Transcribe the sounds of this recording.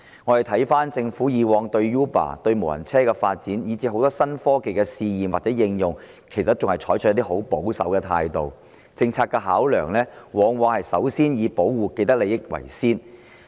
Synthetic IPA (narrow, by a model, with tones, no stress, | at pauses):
ŋɔː˨˧hjt̪ʰɐ˨˥jfaː˥nt͡sɪ˧ŋfuː˨˥jiː˨˧wɔː˧ŋt̪ɵ˧ɥjuː˥pa̰ː˨˩t̪ɵ˧ɥmo˨˩whɐ̰˨˩nt͡sʰɛː˥kɛ˧faː˧t̚t͡siː˨˥njiː˨˧t͡siː˧˥ɦo˨˥wt̪ɔː˥sɐ˥nfɔː˥ke˨jkɛ˧siː˧jiː˨˩mwa˨t̚t͡sɛ˨˥jɪ˧ŋjʊ˨ŋ | kʰe˨˩sɐ˨˥t̚t͡sʊ˨ŋhɐ˨˩jt͡ʃʰɔː˨˥jt͡ʃ̚ʰt̪iː˥ɦo˨˥wpo˨˥wsɐ̰˨˥wkɛ˧t̪ʰa̰ː˧jt̪o˨w | t͡sɪ˧ŋt͡sʰaː˧t̚kːɛ˧ɦaː˨˥wlœː˨˩ŋlɛː˥wɔː˨˧ŋwɔː˧ŋhɐ˨jsɐ̰˨˥wsiː˥njiː˨˧po˨˥wwuː˨ke˧jt̪ɐ˥k̚le˨˧jɪ˥k̚wɐ̰˨˩jsiː˥n